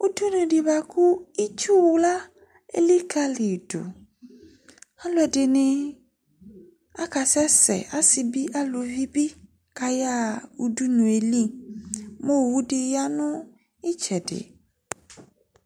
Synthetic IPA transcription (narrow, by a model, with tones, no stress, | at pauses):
u˦du˦nũ˨ɖi˨ba˨ku˦i˦t͡ʃu˦wu˨˦la˦ | ḛ˦li˦ka˦li˨ɖo̰˨ | a˦lo˦ɛ˨ɖe˨nẽ˨ | a˦ka˨sɛ˦sɛ̰˨a˦si˨bi˦ʔa˦lo˨vi˦bi˦ | ka˨ja˦˨u˨du˦nũ˨e˨li˦ | mo˦wwu˦ɖi˨ja˦nɔ̃˦ | i˦t͡ʃɛ˨ɖḛ˨